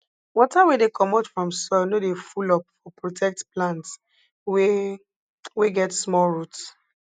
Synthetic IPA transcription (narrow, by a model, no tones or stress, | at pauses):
wɔtawedekʰɔmatfɹɔ̃msɔnodefulɔp̚fɔpɹotʰɛk̚tplãnts | w | weɡɛtsmɔlɹuts